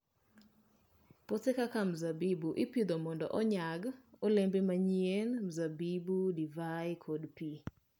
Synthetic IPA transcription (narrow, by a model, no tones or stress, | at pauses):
pɔtekakam̩zabibuʔɪpid̪omɔndɔ̰ʔɔɲaɡɔlembemaɲienm̩zabibudivajkʰodpi